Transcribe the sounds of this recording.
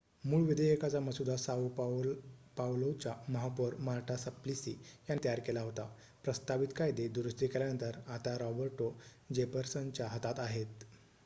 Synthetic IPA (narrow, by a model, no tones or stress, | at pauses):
muːɭʋid̪əjekat͡saməsud̪ʱasau | pawlot͡ɕaməɦapːəɾmaɾʈʰasəplisijant̪əjaɾkelaɦot̪a | pɾəst̪aʋit̪kajd̪ed̪uɾəst̪ikeljanənt̪əɾat̪aɾɔbəɾʈo | d͡ʑepəɾsənt͡ɕjaɦət̪at̪aɦet̪